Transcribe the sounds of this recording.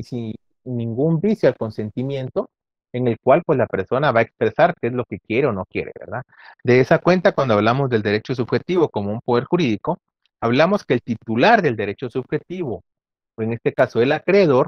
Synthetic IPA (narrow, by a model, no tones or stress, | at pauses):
isi | nːĩŋɡumbisjoalko̞nse̞nt̪imje̞nt̪o̞ | e̞ŋe̞lkwalpwe̞slape̞ɾso̞naβae̞kspɾe̞saɾkeezlo̞ke̞kje̞ɾe̞o̞no̞kje̞̰ɾe̞̰βe̞̰ɾða | d̪e̞esakwe̞nt̪akwand̪o̞aβlamo̞zðe̞ld̪e̞ɾe̞t͡ʃo̞s̬uβxe̞t̪iβo̞ko̞mo̞umpo̞ðe̞ɾxuɾiðiko̞ | aβlamo̞skeːlt̪it̪ulaɾðeld̪e̞ɾe̞t͡ʃo̞suβxe̞t̪iβo̞ | e̞ŋe̞st̪e̞kaso̞e̞lakɾe̞ðo̞ɾ